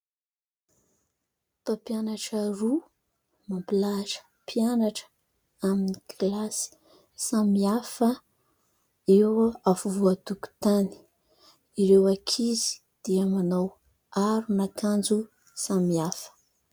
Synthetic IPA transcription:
t̪opianaʈ͡ʂəɾu | mampilaʈ͡ʂə̥ | pʰianaʈ͡ʂə̥ | aminiɡlasi̥ | samiafə | ewafuvuat̪uku̥t̪ani̥ | iɾewakʰizi̥ | d̪̥iamanaw | aɾunakand͡zu | samiafə̥

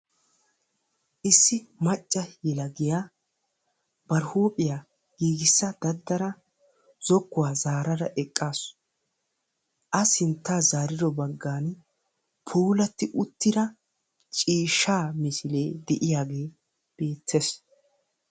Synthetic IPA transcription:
ʔɪsːɪmɐt͡ʃʼːɐjɛlɐɡɪjaː | b̥ɐɾhuːpʼɪjaː | ɡ̥iːɡɪsːɐd̪̥ɐd̪ːɐɾɐ | z̥ɔkːʊwaːzaːɾɐɾɐʔɛkʼːaːs | ʔɐsɪnt̪ːaːzaːɾɪd̪ɔbɐɡːaːn | pʰuːlɐt̪ːɪʔʊt̪ːɪd̪ɐ | t͡ʃʼiːʃːaːmɪsɪleːd̪ɛʔɪjaːɡe̞ː | b̥e̞ːt̪ʰːes

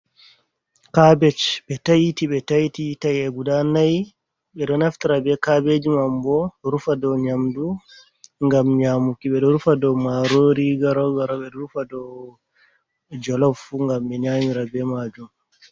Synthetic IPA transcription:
kabɛt͡ʃɓɛtajitiɓɛtajtitajɛɡudanaj | ɓɛɗɔnaftiɾabɛkabed͡ʒimambɔɾufadɔɲamdu | ŋɡamɲamukiɓɛɗɔɾufadɔmaɾoɾiɡaɾɔɡaɾɔɓɛɗɔɾufadɔ | d͡ʒɔlɔfuŋɡamɓɛɲamiɾabɛmad͡ʒum

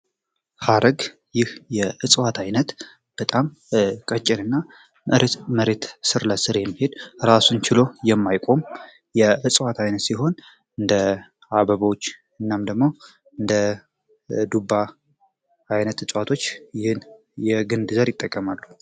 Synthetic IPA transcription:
haɾəɡ | jɪhjɛɨsʼwat̪ʰajnət̪ | b̥ət̪ʼam | kʼət͡ʃʼːɪnɨnːa | mʔɨɾet̪məɾe̞t̪sɨɾləsɨɾjɛmːihe̞d̪ɾasunt͡ʃʰɪlo̞jɛmːajkʼo̞m | jɛɨsʼwat̪ʰajnət̪siɦo̞n | ɨnd̪ə | aβəβwot͡ʃː | ɨnːamd̪əɡmo̞ | ɨnd̪ə | d̪uba | ajnət̪ɨsʼwat̪ʰo̞t͡ʃːjɪhɨn | jɛɡɨnd̪ɨzəɾjɪt̪ʼːəkʼːəmalːu

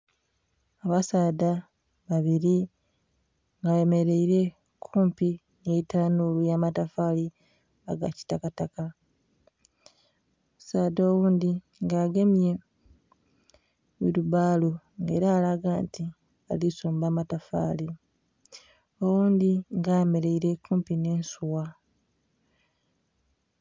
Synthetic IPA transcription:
aβasaːda | βaβiɾi | ŋɡaeme̞ɾe̞iɾe̞ | kʰuːmpi | ŋeitanulujaːmatafali | a̰ɡa̰ci̥takataka | musaːdo̞ːwuːnd̪i | ŋɡaːɡe̞mje | βiɾubaːlu | ŋɡe̞̰ːɾaːlaɡaːnti | a̰lisuːmbaːmatafa̰ːli | o̞wuːnd̪iŋɡaːjeme̞ɾe̞iɾe̞kːuːmpine̞ːnsuwa

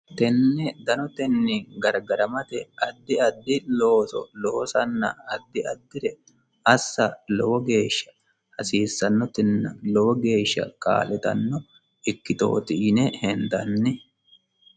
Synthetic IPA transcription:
t̪ɛnːɛd̪ɐnɔt̪ɛnːɪɡɐɾɡɐɾɐmɐt̪ɛɐd̪ːɪɐd̪ːɪlo̞ːsɔ̰lo̞ːsɐnːɐ̰ɐd̪ːɪɐd̪ːɪɾɛ | ɐsːɐlɔwɔɡe̞ːʃːɐ̥ | hɐsiːsːɐnːɔt̪ɪnːɐlɔwɔɡe̞ːʃːɐ̰kʼa̰ːlɛt̪ɐ̰nːɔ | ɪkːɪt̪o̰ːt̪ɪɪnɛhɛnd̪ɐ̰nːɪ

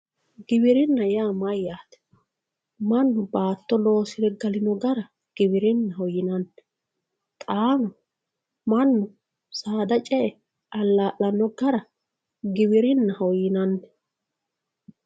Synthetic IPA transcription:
ɡɪbɪɾɪnːɐjaːmɐjaːt̪ɛ̥ | mɐnːʊbaːt̪ːɔlo̞ːsɪd̪ɛɡɐlɪnɔɡɐɾɐ | ɡ̥ɪbɪɾɪnːɐɦɔjɪnɐnːɛ̥ | t̪ʼaːnɔ | mɐnːʊ | saːd̪ɐt͡ʃʼɛʔɛ | ʔɐlːaːʔːɐnːɔɡɐɾɐ | ɡɪbɪɾɪnːɐhɔjɪnɐnːɛ̥

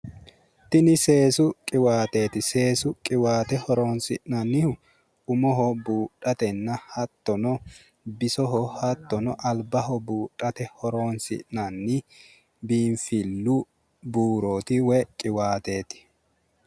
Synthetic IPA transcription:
t̪ɪnɪse̞ːsʊkʼɪwaːt̪e̞ːt̪ɪse̞ːsʊkʼɪwaːt̪ɛhɔɾoːnsɪʔnɐnːɪhʊ | ʊmɔɦɔbuːtʼːɐt̪ɛnːɐhɐt̪ːɔnɔ | bɪsɔɦɔhɐt̪ːɔnɔʔɐlbɐhɔbuːᶑʼɐt̪ɛhɔɾoːnsɪ̰ʔnɐnːi | biːnfɪlːu | buːɾoːt̪ɪwɛkʼɪwaːt̪eːt̪ɪ̥

